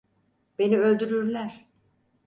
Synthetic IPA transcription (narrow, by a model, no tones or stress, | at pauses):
b̥e̞niø̞lʲd̪yɾyɾlʲæɾ̥